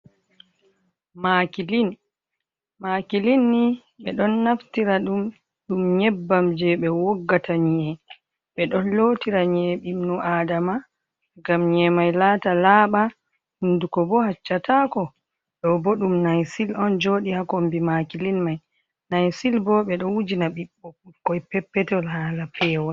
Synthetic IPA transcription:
makilin | maːkilinːi | ɓɛɗɔnːaftiɾaɗum | ɗumɲɛbːamd͡ʒɛɓɛwɔɡːataɲiɛ | ɓɛɗɔnlotiɾaɲɛɓimnuʔaːdama | ɡamɲɛmajlaːtalaːɓa | hundukɔbɔhat͡ʃːatakɔ | ɗɔbɔɗumnajsilɔnd͡ʒoɗihakombimakilinmaj | najsilbɔɓɛɗɔnwud͡ʒinaɓiɓːɔkɔjpɛpːɛtɛlhalafɛːwɔ

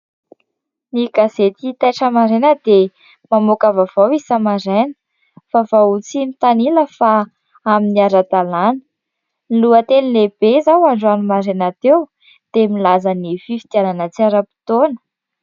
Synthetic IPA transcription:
niɡazet̪it̪aʈ͡ʂəmaɾenəd̪̥e | mamokavav̥awisamaɾenə̥ | favaut͡simit̪aniləfa | aminiaɾat̪alanə̥ | niluət̪enileb̥ezawaɳɖ͡ʐuanumaɾenat̪ew | d̪̥emilazanififi̥t̪jananət͡siaɾapi̥t̪onə̥

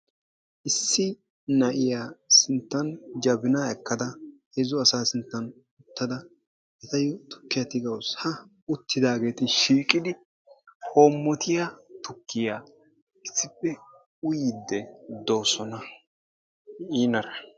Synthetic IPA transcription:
ʔɪsːɪ | nɐʔɪjaːsɪnt̪ːɐnd͡ʒɐbɪnaɛkːɐd̪ɐhezʊɐsaːsɪnt̪ːɐn | ʊt̪ːɐd̪ɐ | ɛt̪ɐjʊt̪ʊ̥kːɪjɐt̪ɪɡɐwshɐ | ʊt̪ːɪd̪aːɡe̞ːt̪ɪʃiːkʼːɪd̪ɪ | hoːmːɔt̪ʰɪjat̪ʊkːɪjaː | ɪsːɪpːɛ | ʊjɪd̪ːɛd̪o̞ːsɔnɐ | iːnɐɾɐ

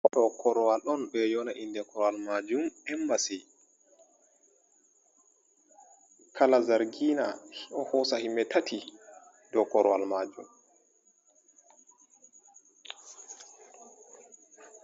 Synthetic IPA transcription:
ʔɔɗɔkʰɔɾɔwalɔnbɛjɔnaʔindɛkɔɾɔwalmad͡ʒumɛmbasi | kʰalazaɾɡiːnahɔhɔsahimːɛtatʰi | dɔkɔɾɔwalmad͡ʒum

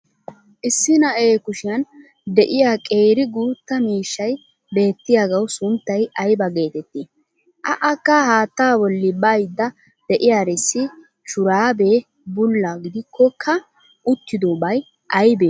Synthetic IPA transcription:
ʔɪsːɪnɐeːkʊʃɪjɐn | d̪ɛʔɪjaːkʼeːɾɪɡuːt̪ːɐmiːʃːɐj | be̞ːt̪ːɪjaɡɐwsʊnt̪ːɐjɐjbɐɡe̞ːt̪ɛt̪ːi | ʔɐʔɐkːahaːt̪ːaːbɔlːɪbɐjd̪ːɐ | d̪̥ɛʔɪjaːɾɛsːɪ | ʃʊɾaːbeː | bʊlːaɡɪd̪ɪkʰːɔkʰɐ | ʊt̪ːɪd̪obɐj | ʔɐjbeː

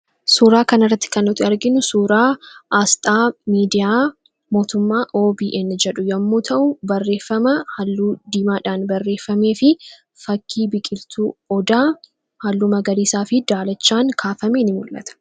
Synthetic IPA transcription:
suːɾaːkɐnɪrːɐt̪ːɪ̥kɐnːɔt̪ɪɐɾɡɪnʊsuːɾaːʔast̪ʼaːmiːd̪ɪjaː | mo̞ːt̪ʊmːaːʔo̞ːbiːʔɛnːd͡ʒɛᶑʊjɐmːoːt̪ʰɐʔʊbɐrːe̞ːfːɐmɐhɐlːuːd̪iːmaːᶑaːnbɐrːe̞ːfːɐme̞ːfɪ | fɐkʰːiːbɪkʼɪlt̪uːɔd̪aː | hɐlːuːmɐɡɐɾiːsaːfɪd̪aːlɐt͡ʃːaːŋkʰaːfɐmeːnɪmʊlʔɐ̰t̪ɐ̥

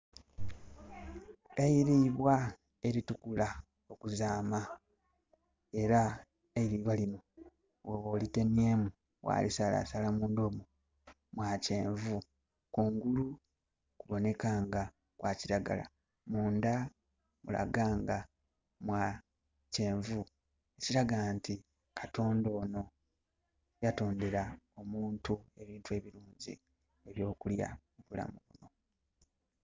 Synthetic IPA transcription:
ejiɾiβwa | e̞ɾitukula | o̞kuzaːma | e̞ɾa | eiɾiβwalino | woβolite̞nie̞ːmu | wa̰ːlisala̰ːsalamuːndomu | mwaːce̞ːɱvu | kuːŋɡulu | kuβo̞ne̞kaːŋɡa | kwaːciɾaɡa̰la̰ | muːnda | mula̰ɡaːŋɡa | mwa | ce̞ːɱvu | e̞ciɾaɡanti | kʰato̞ːndo̞ːno̞ | jato̞ːndeɾao̞muːntue̞βiːntue̞ːβiɾuːɲɟḭ | eβjo̞ːkulja̰muβula̰muβuno̞

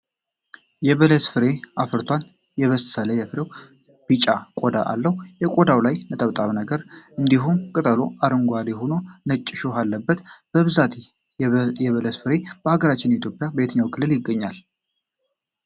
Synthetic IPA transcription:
jɛβələt̪fɨɾe̞afɨɾt̪ʰwan | jɛβəst̪sələjɛfɨɾe̞w | b̥it͡ʃʼakʼod̪a̰ʔa̰lːəhujɛkʼod̪awlajnət̪ʼəβt̪ʼaβnəɡəɾʔɨnd̪iɦumkʼɨt̪ʼəlo̞aɾɨŋɡʷalihono̞nət͡ʃʼːɪʃohalːəbːət̪b̥əβɨzat̪ʰ | jɛβələt̪fɨɾe̞b̥əhaɡəɾat͡ʃːɪnit̪ʰjo̞pʼjabəet̪ʰəɲːawkʰɨlːɨljɪɡːəɲːal

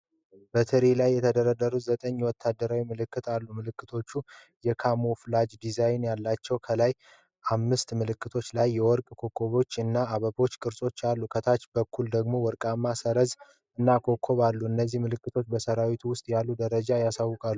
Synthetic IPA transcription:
b̥ət̪ʰɨɾelajːɛt̪ʰəd̪əɾəd̪əɾuzət̪ʼəɲːwɔt̪ʰːad̪ːəɾawimɨlɨkːɨt̪alːumɨlɨkːɨt̪ʰo̞t͡ʃːu | jɛkʰamoflad͡ʒd̪izajnjalːat͡ʃːɛwkʰəlaj | ʔamːɨst̪mɨlɨkːɨt̪ʰo̞t͡ʃːlajːɛwɔɾkʼkʰo̞kʰːo̞βo̞t͡ʃːɨnːaːβəbo̞t͡ʃːkʼɨɾsʼo̞t͡ʃːalːukʰət̪ʰat͡ʃbəkʰːuld̪əɡmo̞wɔɾkʼamːasəɾəz | ɨnːakʰo̞kʰːo̞βalːuɨnːəzːihmɨlɨkːɨt̪ʰo̞t͡ʃːbəsəɾawit̪ʰuwʊst̪ʼjalːud̪əɾəd͡ʒajasawːʊkʼalːu

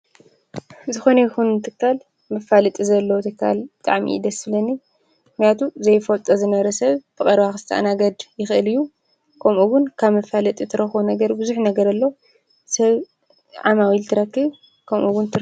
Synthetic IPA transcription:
zɨxo̞nɐjɪxunɨt̪ʰɨkːal | mɨfalɨt̪ʼizɐlːowt̪ʰɨkːa̰lbɨt̪ʼaʕmḭd̪ɐslɐnːi | mɨknijat̪ʰuzɐjfolt̪ʼɐzɨnɐβɐɾɐsɐβb̥ɨkʼɐɾβaxɨsɨt̪ʰɐʔa̰naɡɐd̪jɪxʔɨlɨjːu | kʰɐmʔuɡʊnkʰaβmɐfalɨt̪ʼit̪ʰɨɾɐxunɐɡɐɾbɨzuħnɐɡɐɾɐlːo | sɐβ | ʕamawilt̪ʰɨɾɐkːiβ | kʰɐmʔuɡʊnt̪ʰ

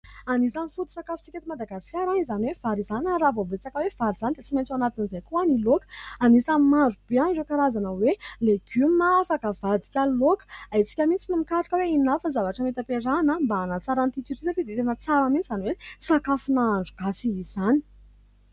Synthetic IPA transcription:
anisanifut̪u̥sakafu̥t͡siket̪imad̪aɡaskʲaɾaizaniwev̥aɾizanaravobet͡sakəwev̥aɾiz̥anid̪et͡siment͡sanat̪inizajkuanilokə̥anisamaɳɖ͡ʐubeanɖ͡ʐekaɾazanəweleɡ̥ymaafakəvad̪i̥kʲalokə̥ait͡si̥kʲəmit͡sinimikaʈ͡ʂakəweinafənzavaʈ͡ʂəmet̪apeɾanambaːnat͡saɾant̪it̪iɾizaʈ͡ʂid̪et̪enət͡saɾəmint͡sizaniwesakafunaːɳɖ͡ʐuɡ̥asiːz̥ani̥

